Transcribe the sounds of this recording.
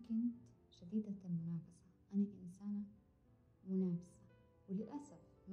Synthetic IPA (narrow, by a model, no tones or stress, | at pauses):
kɪnt̪ | ʃad̪iːd̪almʊnaːbasaʔanaʔɪnsaːna | mʊnaːbɪsa | wɪlɪʔasaf | m